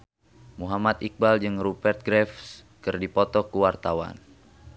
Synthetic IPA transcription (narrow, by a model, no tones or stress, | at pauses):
muɦamat̪ik̚bald͡ʒɨŋrupɛrt̪̚ɡɾɛfs | kɨrdipɔt̪ɔkuwart̪awa̰n